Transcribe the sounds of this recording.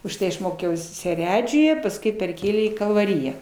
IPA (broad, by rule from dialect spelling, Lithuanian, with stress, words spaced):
ʊʃˈtɐɪ ɐʃ ˈmoːkʲɛʊs sʲɛˈrʲæːd͡ʒʲʊjɛ pɐsˈkʊɪ pʲɛrʲˈkʲeːlʲeː iː kɐlˠʋɐˈrʲɪjæː